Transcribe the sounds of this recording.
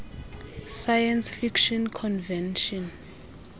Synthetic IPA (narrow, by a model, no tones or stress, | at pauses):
sajɛnsfikʃɔnkʰɔnvɛnʃɔn